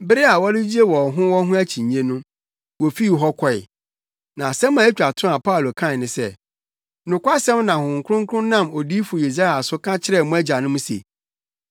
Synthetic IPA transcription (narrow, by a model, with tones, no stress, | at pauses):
bɪ˦ɾɪ˦a˨wɔ˦ɾɪ˦d͡ʑi˦e˦wɔ˨ɦʊ̃˦wɔ̃˦ɦʊ̃˦æ˦t͡ɕʰĩ˨ɲ˨ɲẽ˦nũ˦ | wɔ˨fi˦˨ɦɔ˦kʰɔ˨ɪ̰˨ | nã˨sɛ̃˦mã˨˦t͡ɕᶣa˨tʰʊ̃˦a˨pʰa˦˨lo˨kʰã˦˨nɪ̃˨sɛ˦ | nʊ̃˨kʷa˦sɛ̃˦mnã˨hʊ̃˨ŋ̩˨kʰʊ˦ɾʊ̃˦ŋ˦kʰʊ̃˦nã˦˨mo˨diː˦fʊ˨i˨s̬a˦˨la˨sʊ˦kʰã˦t͡ɕʰɪ˦ɾɛ˦˨mʊ̃˦æ˦d͡ʑa˨nʊ̃˦mũ˦sḛ˨